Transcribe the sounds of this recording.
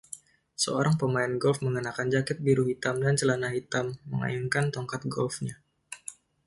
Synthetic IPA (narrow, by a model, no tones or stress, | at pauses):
səoɾaŋpəmaɪnɡɔlfməŋənakand͡ʒakɪt̪̚biɾuɦit̪amdant͡ʃəlanaɦit̪amːəŋa̰jaŋkant̪ɔŋkat̪̚ɡɔlfɲa